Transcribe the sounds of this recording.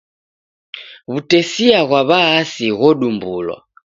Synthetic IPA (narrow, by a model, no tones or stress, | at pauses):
βutɛsiaɣwaβaːsiɣɔɗumbulwa̰